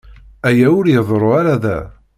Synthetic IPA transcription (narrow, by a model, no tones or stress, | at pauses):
æjæʊɾjəðˤɾˤoaɾaðæ̰